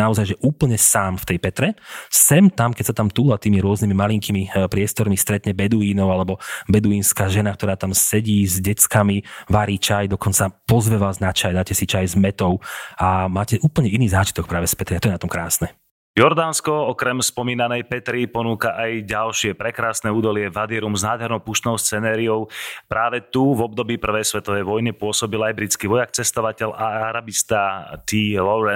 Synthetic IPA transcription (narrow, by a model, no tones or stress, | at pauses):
naɔzajʒɛʔuːpl̩ɲɛsaːmft̪ɛjpɛt̪ɾɛsɛmt̪amkɛcsat̪amt̪uːlat̪iːmiɾʊɔznimimaliŋkimipɾɪɛst̪ɔɾmist̪ɾɛt̪ɲɛbɛd̪uiːnɔʊalɛbɔbɛd̪uiːnskaːʒɛnak̚t̪ɔɾaːt̪amsɛɟiːzɟɛt͡skamiʋaɾiːt͡ʃajd̪ɔkɔnt͡sapɔzʋɛʋaːznat͡ʃajd̪aːcɛsit͡ʃajzmɛt̪ɔʊamaːcɛʔuːpl̩ɲɛiniːzaːt͡ʃit̪ɔk̚pɾaːʋɛspɛt̪ɾiat̪ɔjɛnat̪ɔmkɾaːsnɛ | jɔɾd̪aːnskɔɔkɾɛmspɔmiːnanɛjpɛt̪ɾipɔnuːkaʔajɟalʃɪɛpɾɛkɾaːsnɛuːd̪ɔlɪɛvad̪ɪɛɾumznaːd̪ɦɛɾnɔpuʃt̪nɔʊst͡sɛnaːɾiɔʊpɾaːʋɛt̪uvɔb̚d̪ɔbiːpr̩ʋɛjsʋɛt̪ɔʋɛjʋɔjnipʊɔsɔbilajbɾit͡skiʋɔjakt͡sɛst̪ɔʋacɛlaaɾabist̪at̪iːlɔɾɛ